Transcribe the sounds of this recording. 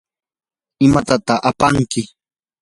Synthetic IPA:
ɪmat̪at̪aχapaŋkɪ

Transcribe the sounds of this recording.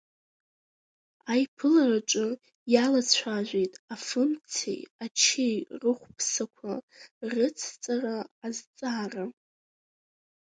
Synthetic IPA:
ajpʰɨlaraʈ͡ʂʼʊ | jalat͡sʷʰaʒᶣʷe̞jtʼafɨnt͡sʰḛjat͡ʃʰejrɨχʷpʰsakʷʰarɨt͡sʰt͡sʼaraːzt͡sʼaːra

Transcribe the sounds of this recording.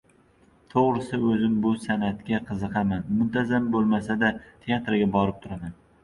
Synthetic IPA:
t̪ʰoʁɾɪsɪɵzɪmbʊsanat̪kʲaqʰɨzɨqʰɑmanmʊnt̪ʰazambolˠmasad̪at̪ʰe̞at̪ɾaɡʲabɒɾɪp̚t̪ʰʊɾaman

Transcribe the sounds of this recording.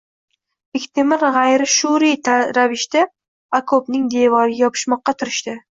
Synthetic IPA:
ɪkʲt̪ʰɪmɪɾʁajɾɪʃuɾit̪ʰaɾavɪʃt̪a | akʰopnɪŋd̪e̞vɒɾɪjɒpʰɪ̥ʃmɒqːɑt̪ʰʊɾɪʃt̪ɪ

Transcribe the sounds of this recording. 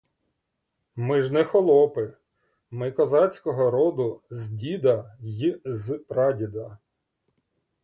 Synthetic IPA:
mɪʒnɛxɔlˠɔpɪ | mɪkɔzɑt͡sʲkɔɦɔɾɔd̪ʊzʲdʲid̪ɐjizpɾɑdʲid̪ɐ

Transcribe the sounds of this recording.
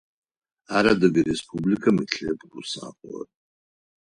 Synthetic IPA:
aɾadɨɡʲirespʰublikʰamɨɬʰepʰʼɡusa̰qʷʼla̰tʼ

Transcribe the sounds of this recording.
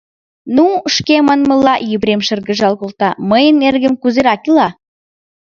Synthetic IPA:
nuʃkemɑnmə̆lːɑjyβɾemʃə̆rɣə̆ʒɑlɣolt̪ɑməjə̆nːerɣəmkuzeɾɑkilɑ

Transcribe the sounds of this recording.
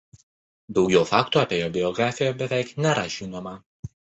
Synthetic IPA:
d̪ɒʊɡʲoːfɑːkt̪uɑpʲeːjoːbʲɪjɔɡɾɑːfʲɪjɛbʲɛʋʲɛˑɪknʲɛɾɐʒʲɪːnoːmɐ

